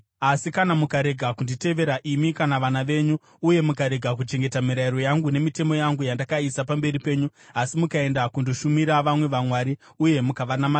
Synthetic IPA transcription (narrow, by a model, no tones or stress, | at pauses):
asikanamukaɾe̞ɡʱakundite̞ʋe̞ɾaʔimikanaʋanaʋe̞ːɲuː | je̞mukaɾe̞ɡʱak̬ut͡ʃe̞ŋɡe̞tamiɾaiɾo̞jaŋɡune̞mite̞mo̞jaŋɡujandakaisapambe̞ɾipe̞ːɲuasimukae̞ndakundoʃumiɾaʋamwe̞ʋamwaːɾi | uje̞mukaʋanama